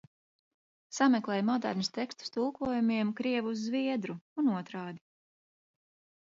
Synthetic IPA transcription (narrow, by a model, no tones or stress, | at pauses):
samɛklˠɛjmɔd̪a̰ɾnʲist̪ɛkst̪u̥st̪ulˠkuɔjumiɛmkɾiɛvuzːviɛd̪ɾuunuɔt̪ɾaːd̪i